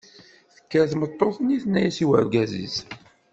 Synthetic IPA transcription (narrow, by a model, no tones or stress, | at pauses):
θə̥kːæθmət̪ˤːoθəniθnːæjæsiwə̰ɾɡæzḭz